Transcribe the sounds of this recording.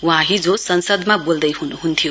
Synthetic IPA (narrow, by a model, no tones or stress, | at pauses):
w̃ɦãɦid͡zosʌnsʌd̪mabold̪ʌjɦunuɦunt̪ʰijo